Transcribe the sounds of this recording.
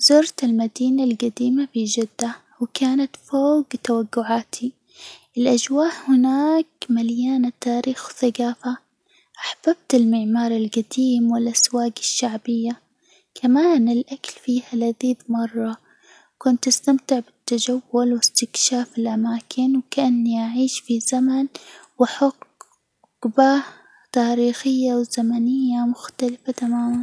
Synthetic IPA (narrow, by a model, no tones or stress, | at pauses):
zʊɾˤt̪ɪlmad̪iːnalɡad̪iːmafid͡ʒɪd̪ːa | wkaːnat̪foːɡt̪awaɡːʊʕaːt̪ʰi | ʔɪlʔad͡ʒwaːʔhɪnaːkmaljaːnat̪aːɾiːxwθaɡaːfa | ʔaħb̥ab̚t̪ɪlmɪʕmɑːɾˤɪlɡad̪iːmwɪlʔaswaːɡɪʃːaʕbɪjːa | kʰamaːnɪlʔaklfiːhalaðiːd̪mɑrˤːɑ | kʊnt̪ʔast̪amt̪ɪʕbɪt̪ːad͡ʒawːʊlwɪst̪ɪkʃaːfɪlʔamaːkʰɪnwkaʔanːiʔaʕiːʃfizamanwaħaq | baːh | t̪aːɾiːxɪjːawz̥amanɪjːamʊxt̪alafat̪amaːman